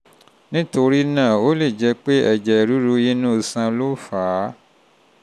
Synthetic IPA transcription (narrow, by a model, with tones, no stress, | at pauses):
nĩ˦to˧ɾi˦nã˦˨o˦le˦˨d͡ʒɛ˧k͡pe˦ɛ˨d͡ʒɛ˨ɾu˨˦ɾu˧ji˦nũ˦˧sã˧lo˦faː˨˦